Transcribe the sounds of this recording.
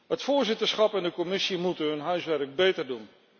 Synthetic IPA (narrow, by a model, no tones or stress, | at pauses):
ɦətfʊːɹzɪtəɹsχɑpɛndəkɔmɪsimutənɦɵnɦœɥsʋɛɹɡ̚bejtəɹdun